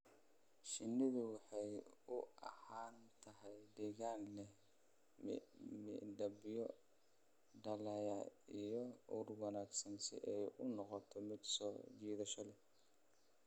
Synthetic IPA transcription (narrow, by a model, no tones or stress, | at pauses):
ʃɪnːɪðʊwɑħɑjʊɐ̰haːnt̪ʰɐɦɛjɖɪɣaːnlɛ | mɪɖɐbɪjɔ | ɖɐlɐjɐijɔʊrwɑnaːɡsɐnsɪ̰ʔɛjʊnɔqɔt̪ʰɔmɪd̪sɔːd͡ʒiːðɐʃɐlɛ